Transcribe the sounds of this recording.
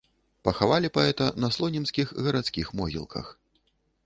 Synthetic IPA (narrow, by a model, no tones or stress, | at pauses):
pɐxavalʲipaɛt̪ɐnɐslˠɔnʲinskʲixɣɐɾat̪skʲixmɔɣʲḭlˠkʰɐ̰x